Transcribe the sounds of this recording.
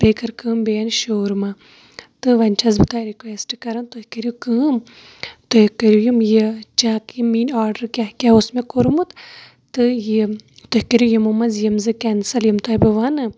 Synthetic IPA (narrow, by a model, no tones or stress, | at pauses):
peːkɐɾkɨːmbejɐnʃoːɾmɐ | t̪ɨʋɐnʲt͡ʃʰɐzbɨt̪aːjɾikʋeːsʈkɐɾɐnt̪ohkɐɾʲukɨːm | t̪ojkɐɾʲjujumjit͡ʃaːkjimiːnaːɾɖɐɾkʲaɦkʲaosmekoɾmut̪ | t̪ɨji | t̪ohʲkɐɾʲujimɐmɐzjɐmzɨkɛnsɐljimt̪ojbɨʋɐnɨ